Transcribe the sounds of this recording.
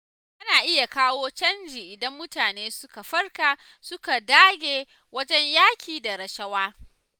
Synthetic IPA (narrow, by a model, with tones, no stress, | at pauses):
ʔɐ˦naː˨ʔɪ˦ja˨kaː˦woː˦t͡ʃɐ˦nd͡ʒiː˨ʔɪ˨dɐ˦mːʊ˦taː˨neː˦sʊ˦ka˨ɸɐ˦rkaː˨ | sʊ˦ka˨daː˦ɡʲeː˨ | wɐ˦d͡ʒɛ˦ɲjaː˦kʲiː˨da˨ɾɐ˨ʃɐ˦waː˦